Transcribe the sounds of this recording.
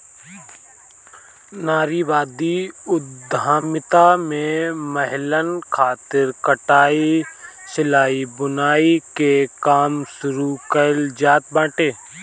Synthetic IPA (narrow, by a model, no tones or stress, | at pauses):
naːɾiːʋaːd̪iʊd̪ʱaːmɪt̪amẽməɦlənkʰaːt̪ɪɾkəʈaːi | sɪlaːibʊnaːikekaːmsʊɾukəld͡ʒaːt̪̚bãːʈeː